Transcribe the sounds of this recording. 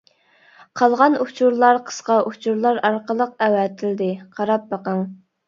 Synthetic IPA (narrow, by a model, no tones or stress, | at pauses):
qʰɑlˠʁɑnut͡ʃʰuɾlˠɑɾqʰə̥sqɑʔut͡ʃʰuɾlˠɑɾɑɾqəlˠəq̚ɛwɛt̪ʰɪld̪ɪqʰɑɾɑp̚bɑqɑŋ